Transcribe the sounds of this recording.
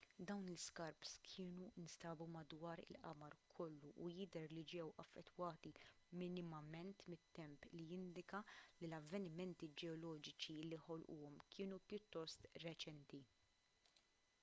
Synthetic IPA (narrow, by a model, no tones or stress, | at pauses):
d̪ɐwnlɪskɐɾpskʰɪːnuɪnsɐːbumɐd̪wɐːɾɪ̰lʔɐ̰mɐɾkʰɔlːuʔːjɪd̪ɛɾlid͡ʒɛwʔɐfːɛt̪ːwɐːt̪imɪnɪmɐmɛnt̪mɪt̪ːɛmplijɪnd̪ɪkɐlilɐvːɛnɪmɛnt̪id͡ʒɛɔlɔːd͡ʒɪt͡ʃilːijħɔlʔṵːɔmkʰɪːnupjʊt̪ːɔst̪ɾɛt͡ʃɛnt̪i